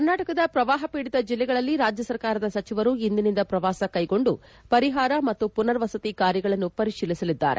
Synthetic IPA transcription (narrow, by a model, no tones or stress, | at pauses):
kɐɾnaːʈɐkɐd̪ɐpɾɐʋaːɦɐpiːɽid̪ɐd͡ʒilːɛɡɐɭɐlːiɾaːd͡ʒjɐsɐɾkaːɾɐd̪ɐsɐt͡ʃiʋɐɾuind̪inind̪ɐpɾɐʋaːsɐkɐjɡo̞ɳɖu | pɐɾiɦaːɾɐmɐt̪ːupunɐɾʋɐsɐt̪ikaːɾjɐɡɐɭɐnːupɐɾiʂiːlisɐlid̪ːa̰ːɾe